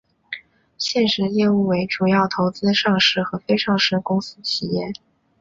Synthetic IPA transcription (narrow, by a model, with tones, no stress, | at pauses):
ɕjɛ˥˩nʂɻ̩˧˥ljɛ˥˧u˥˩we˧˥ɪʈ͡ʂu˨˩jɑ˥˩ʊt̪ʰo˧˥ʊt͡sɹ̩˥ʂɑ˥˧ŋʂɻ̩˥˩xɤ˧˥fe˥ɪʂɑ˥˧ŋʂɻ̩˥˩kʊ˥ŋsɹ̩˥t͡ɕʰi˨˩jɛ˥˩